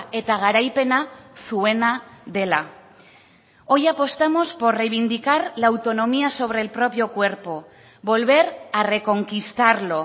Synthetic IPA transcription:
e̞t̪aɣ̞aɾajpe̞nasue̞naðe̞la | o̞japo̞st̪amo̞spo̞ɾre̞jβind̪ikaɾlaːwt̪o̞no̞miaso̞β̞ɾe̞ːlpɾo̞pjo̞kwe̞ɾpo̞ | βo̞lβe̞ɾare̞ko̞ŋkist̪aɾlo̞

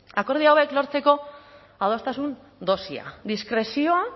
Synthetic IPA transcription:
ako̞ɾð̞iawe̞klo̞ɾt͡se̞ko̞ | aðo̞st̪asun | d̪o̞sia̰d̪iskɾe̞sio̞a

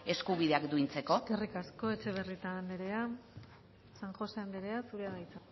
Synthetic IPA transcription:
e̞skuβiðe̞akd̪uint͡se̞ko̞erikasko̞e̞t͡ʃe̞β̞erit̪ane̞ɾe̞a | saŋxo̞se̞and̪eɾeasuɾeaðajt͡se

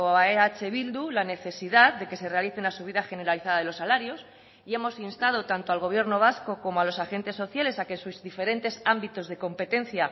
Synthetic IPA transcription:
oaeat͡ʃe̞βild̪ulane̞θe̞siðaðd̪e̞ke̞se̞re̞aliθenlasuβ̞iðaxe̞ne̞ɾaliθaðaðelosːalaɾjo̞s | ie̞mo̞sinst̪að̞o̞t̪ant̪oalɣ̞o̞β̞je̞ɾno̞β̞asko̞ko̞moalo̞saxe̞nt̪e̞sːo̞θjale̞sakensuzðife̞ɾe̞nt̪e̞sambit̪o̞zðe̞ko̞mpe̞t̪e̞n̟θja

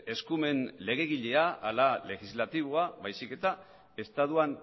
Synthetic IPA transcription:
e̞skume̞nle̞ɣe̞ɣ̞iʎe̞aalale̞xizlat̪iβ̞oaβajsike̞t̪a | e̞st̪aðuan

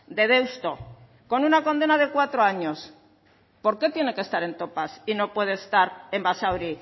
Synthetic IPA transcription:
d̪e̞ðe̞wst̪o̞ | ko̞nunako̞nd̪e̞nað̞e̞kwat̪ɾo̞aɲo̞s | po̞ɾke̞t̪je̞ne̞kest̪aɾe̞nt̪o̞pasino̞pwe̞ð̞e̞ːst̪aɾe̞mbasawɾi

